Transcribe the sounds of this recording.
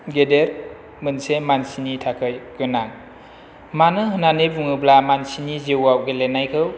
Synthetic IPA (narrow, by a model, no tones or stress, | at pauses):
ɡedeɾ | mɯnsemansinitʰakʰɯjɡɯnaŋ | manɯɦɯnanibuŋɯblamansinizewawɡelenajkʰɯw